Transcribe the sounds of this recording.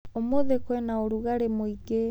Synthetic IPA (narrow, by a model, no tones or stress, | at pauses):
omoðekwɛnaoɾuɣaɾemoiɡe